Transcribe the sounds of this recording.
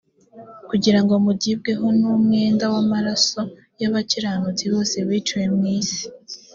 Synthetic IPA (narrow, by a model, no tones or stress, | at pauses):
kuɟiɾaŋɡo̞muɟib̚ɡe̞ɦonumŋe̞ːndawamaɾaso̞ | jaβaciɾaːnuziβo̞ːse̞wiːt͡ʃuwemŋiːsi̥